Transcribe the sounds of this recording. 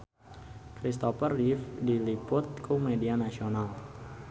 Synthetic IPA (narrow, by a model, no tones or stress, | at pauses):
kɾist̪ofərifdilipʊt̪̚kʰumedianasional